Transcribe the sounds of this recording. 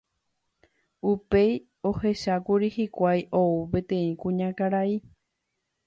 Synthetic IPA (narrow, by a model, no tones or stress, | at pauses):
upe̞j | o̞he̞ʃakuɾihikʷajʔoupẽ̞t̪ẽ̞ĩkũɲãkaɾai